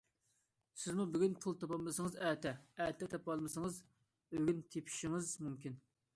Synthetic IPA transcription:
sɪzmubyɡʲynpʰulˠt̪ʰɑpɑːɨsɨŋɨzɛt̪ʰɛɛːt̪ʰɛt̪ʰɑpɑlˠmɨsɨŋɨz | øɡʲynt̪ʰepʰi̥ʃiŋɪzmymkʲin

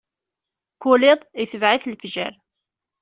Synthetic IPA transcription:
kulɪðˤjθəvʕiθlfʒæ̰ɾ

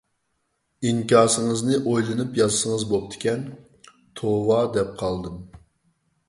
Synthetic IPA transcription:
iŋkʲɑːsɨŋɨznɨʔojlˠɨnɨpjɑzsəŋəzbop̚t̪ʰɪ̥kʲɛn | t̪ʰowɑd̪ɛp̚qʰɑlˠd̪ɨm

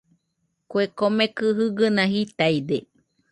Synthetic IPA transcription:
kuekomekɨɦɨɡɨnãhit̪aid̪e

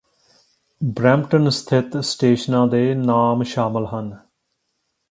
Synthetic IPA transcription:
bɾɛːmʈənst̪ʰɪt̪sʈeːʃnãːd̪eːnaːmʃaːməlɦən

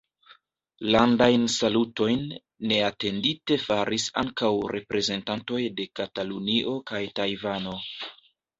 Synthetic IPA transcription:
landajnsaluto̞jnː | e̞ate̞ndite̞faɾʔisa̰ŋkawɾʔe̞pɾe̞ze̞ntanto̞jde̞kataluniʔo̞kajtajvano̞

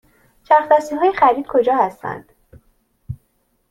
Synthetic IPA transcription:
t͡ʃʰæɾxd̪æːsiːɦɒːjexæɾiːd̪̥̚kʰo̞d͡ʒɒːhæst̪æ̰nd̪̥

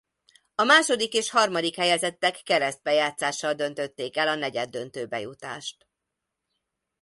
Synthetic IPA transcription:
ɒmaːʃo̞d̪ikeːʃhɒrmɒd̪ikhɛjɛzɛt̪ːɛkːɛɾɛzd̪̚bɛjaːt̪saːʃːɒld̪ø̞nt̪ø̞t̪ːeːkɛlɒnɛɟɛd̪ːø̞nt̪øːbɛ̰jut̪a̰ːʃt̪

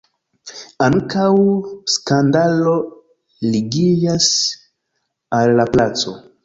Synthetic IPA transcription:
aŋkawskandalo̞ | liɡid͡ʒas | alːaplat͡so̞

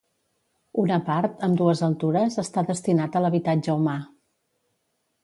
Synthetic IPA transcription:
unəpaɾt̪əmd̪uəzəlˠt̪uɾəzəst̪aðəst̪inat̪ələβit̪ad͡ʒəuma

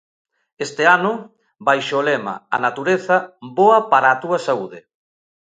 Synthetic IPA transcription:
est̪ɪanʊ | bajʃːlɛma̰a̰nat̪uɾeθɐboɐpaɾaːt̪uɐsauðɪ

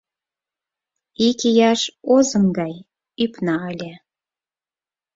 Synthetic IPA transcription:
ikijɑʃozə̆mɡɑj | ypnɑəlʲe

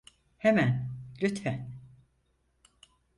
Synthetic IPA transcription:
hemænlʲyt̪fæn

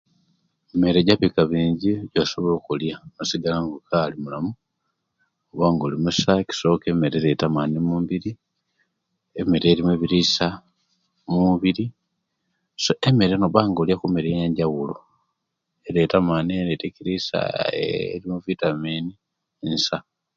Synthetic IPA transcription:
eme̞ɾeɟaβikaβiːɲɟiɟaso̞βo̞lokuljanosiɡalaŋɡokalimulamu | oβaːŋɡolimusaki̥so̞ːke̞meɾeɾetamanimuːmbiɾi | emeɾeɾimeβiɾisa | muβiɾi | soʔeme̞ɾenoβaːŋɡoljakumeɾeeɲɟawulo | ele̞tamaniɾetekiɾisa̰ | ɾimuvitamini | nsa

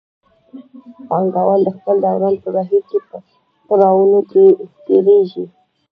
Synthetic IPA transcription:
paŋɡawald̪əxpəld̪ɑwɾɑnpəbaɦiɾkepə | t̪əɾɑwunoket̪eɾeʒi

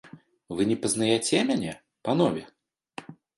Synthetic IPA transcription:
vɨnʲɛpɐznajɛt͡sʲɛmʲanʲɛ | panɔvʲɛ

